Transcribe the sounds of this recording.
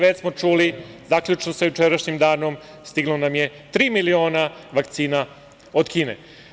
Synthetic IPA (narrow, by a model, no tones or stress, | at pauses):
ʋet͡ɕsmo̞t͡ʃuːlizaːkʎʲut͡ʃnosajut͡ʃeɾaʃɲimd̪aːno̞m | st̪iɡlˠonamje | t̪ɾiːmilio̞ːnaʋakt̪siːna | od̪kiːnḛ